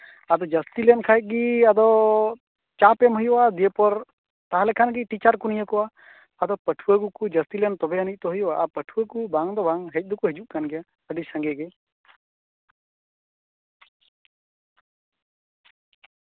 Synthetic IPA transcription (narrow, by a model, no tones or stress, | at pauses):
ad̪ɔd͡ʒəst̪ilɛnkʰajt̪̚ˀɡiad̪ɔ | t͡ʃapɛmɦujɔad̪ijepɔɾ | t̪aɦãlɛkʰanɡiʈit͡ʃaɾkunijəkɔaː | d̪ɔpəʈʰuakukud͡ʒəst̪ilɛnt̪ɔbɛənic̚t̪ɔɦujɔaʔapəʈʰuəkubaŋd̪ɔbaŋɦɛc̚ˀd̪ukuɦɛd͡ʒuʔkanɡɛja | əɖisə̃ŋɡɛɡɛ